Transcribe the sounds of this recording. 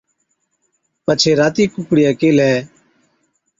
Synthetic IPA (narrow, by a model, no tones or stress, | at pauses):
pət͡ʃʰeːɾaːt̪iːkʊkɽɪjaːkeːlɛː